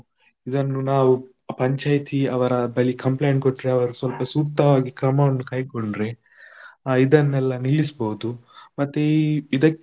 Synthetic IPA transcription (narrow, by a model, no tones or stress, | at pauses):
id̪ɐnːunaːʋu | pɐɲt͡ʃaːjt̪ʰiɐʋɐɾɐbɐɭikɐmplejɳkoʈːɾeɐʋɐɾusʋɐlpɐsuːkt̪ːɐʋaːɡikɾɐmɐʋɐnːukɐjkoɳɖɾe | id̪ɐnːɛlːɐniɭːisboɦud̪umɐt̪ːeid̪ɐkː